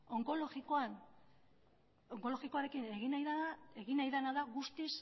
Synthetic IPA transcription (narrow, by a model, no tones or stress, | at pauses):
oŋkoloɣikoan | oŋko̞lo̞ɣiko̞aɾe̞kine̞ɣinajðaae̞ɣinajðanaðaɣust̪is